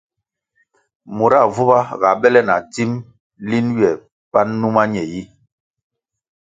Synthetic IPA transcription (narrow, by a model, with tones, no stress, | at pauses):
mu˨ɾa˦˨vu˦ba˦ɣa˨ɓɛ˦lɛ˦na˨ti˦m | li˦nɥɛ˨ | pa˦nːu˦ma˦ɲɛ˨ji˦